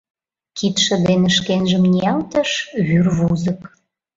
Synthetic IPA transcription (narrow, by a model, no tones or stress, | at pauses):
kit̪ʃə̆d̪eneʃkenʒəmnʲiɑlt̪əʃβyrβuzə̆k